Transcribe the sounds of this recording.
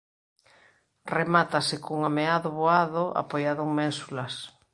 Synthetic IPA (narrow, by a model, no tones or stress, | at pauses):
remat̪asekoŋameaðʊβoaðoʔa̰pojaðoŋmɛ̃nsulɐs